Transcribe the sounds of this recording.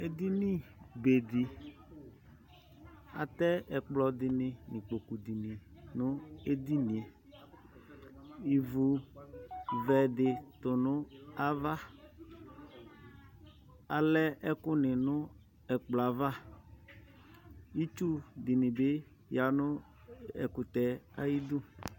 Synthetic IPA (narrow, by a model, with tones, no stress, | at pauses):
e˦d̪i˦ni˦be˨di˨ | a̰˨t̪ɛ˦ɛ˨k͡plɔ˨dɪ˨nɪ˨nɪ̃˨k͡po˨ku˨di˨nĩ˨nʊ˦e˦di˦nĩ˨e˨ | i˨vu˨ | vɛ˨dɪ˨tʊ˨nʊ˦a˦va˦ | a˨lɛ˦ɛ˦kʊ˦nɪ˨nʊ˦ | ɛ˨k͡pla˨va˦ | i˦t͡ʃu˦dɪ˨nɪ˨bɪ˦ | ja˨nʊ˦ | ɛ̰˨kʊ˨t̪ɛ˨a˦ji˦d̪ʊ˦